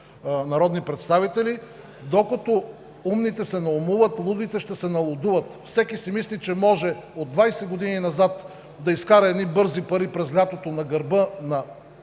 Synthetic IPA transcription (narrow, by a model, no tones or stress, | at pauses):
nɐɾɔd̪nipɾɛt̪st̪avit̪ɛli | d̪okət̪o | umnit̪ɛsɛnɐomuvət̪lˠud̪it̪ɛʃt̪ɛsɛnɐlˠod̪uvət̪fsɛkisimislit͡ʃɛmɔʒɛod̪vajsɛɡod̪ininɐzat̪ | d̪ɐiskaɾɐɛd̪nibɤɾzipɐɾipɾɛzlʲat̪ot̪onɐɡɐɾbɤnɐ